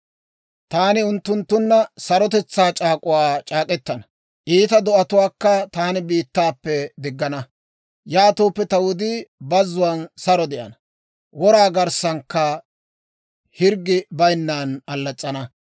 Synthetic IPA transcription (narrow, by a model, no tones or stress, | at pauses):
t̪aːnɪʊnt̪ːʊnt̪ːʊnːɐsɐɾɔt̪̬ɛt͡sːaːt͡ʃʼaːkʼʊwaːt͡ʃʼaːkʼɛt̪ːɐnɐ | ʔiːt̪ɐd̪ɔʔɐt̪ʊwaːkːɐt̪aːnɪbiːt̪ːaːpːɛd̪ɪɡːɐnɐ | jaːt̪oːpːɛt̪ɐwʊd̪ibɐzːʊwɐnsɐɾɔd̪ɛʔɐ̰nɐ | wɔɾaːɡɐɾsɐŋkːɐ | hɪɾɡɪbɐjnːaːnɐlːɐt͡sʼːɐnɐ